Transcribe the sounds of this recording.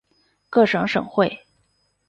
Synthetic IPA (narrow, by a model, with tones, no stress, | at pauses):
kɤ˥˩ʂɤ˧˥ŋʂɤ̰˨˩ŋxwe˥˩ɪ